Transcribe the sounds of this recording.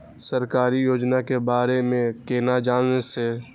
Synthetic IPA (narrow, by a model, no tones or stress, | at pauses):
səɾkaːɾijoːd͡ʒnakebaːɾemẽkeːnad͡ʒaːlnese